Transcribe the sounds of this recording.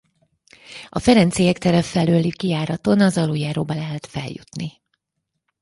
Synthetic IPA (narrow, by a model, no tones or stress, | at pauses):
ɒfɛɾɛnt̪sijɛkt̪ɛɾɛfɛløːlikijaːɾɒt̪o̞nɒzɒluːjaːɾoːbɒlɛɦɛt̪fɛ̰ljṵt̪ni